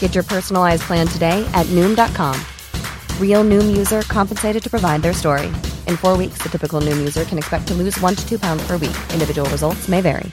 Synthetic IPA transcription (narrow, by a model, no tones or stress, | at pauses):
ɡ̥ɛt͡ʃə˞pʰɜ˞sn̩l̩ˠaɪzpʰl̥æ̃ntʰɨdeɪʔɨtⁿnʉ̃mdɑt̚kʰɑ̰̃m | ɹilˠnʉ̃mjʉzə˞kʰɑ̃mpn̩seɪɾɨd̚tʰɨ̥pʰɹ̥əvaɪd̪̚ðə˞stɔɹḭʔɨ̃nfɔɹwiksðɨtʰɪpɨkl̩ˠnʉ̃mjʉzə˞kʰɨ̃nɨkspɛk̚tʰəlʉzwʌ̃ntʰɨtʰʉpʰãʊ̃ndz̥pʰə˞wḭkʔɪ̃ndɨvɪd͡ʒəwl̩ˠɹəzʌlˠtsmeɪvɛ̰ɹḭ